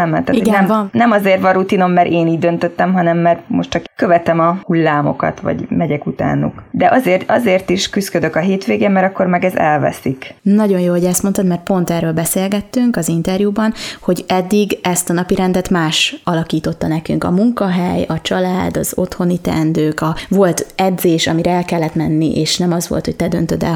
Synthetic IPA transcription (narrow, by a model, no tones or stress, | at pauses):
mɛ̰t̪ːaːtiɡɛnɛmɒnɛmɒzeːrvɒɾut̪ino̞mːɛɾʔeːniːɟ̚d̪ø̞nt̪øt̪ːɛmɦɒnɛmːɛrmoʃtt͡ʃɒkkø̞vɛt̪ɛmɒhulːaːmo̞̰kɒ̰t̪ʋɒ̰ɟmɛɟɛkut̪a̰ːnṵkd̪ɛʔɒzeːrt̪ɒzeːrt̪iʃkyskød̪økɒɦeːt̪ʋeːɡeːmmɛɾɒkːo̞ɾmɛɡɛzɛ̰lvɛ̰siknɒɟo̞njoːho̞ɟɛst̪mo̞nt̪ɒt̪mɛrt̪̚po̞nt̪ɛrøːlbɛseːlɡɛt̪ːyŋkɒzint̪ɛrjubɒnho̞ɟɛd̪ːiɡɛst̪ɒnɒpiɾɛnd̪ɛt̪maːʃɒlɒkiːt̪o̞t̪ːɒnɛkyŋkɒ̰muŋkɒɦɛjɒt͡ʃɒlaːd̪ɒzo̞̰t̪ho̞nit̪ɛ̰nd̪øːkɒvo̞lt̪ɛd̪zeːʃɒmiɾɛɛlkɛlːɛt̪mɛnːiʔeːʃnɛmɒzʋo̞̰lt̪ho̞c̚t̪ɛd̪ø̞nt̪ød̪ɛ̰l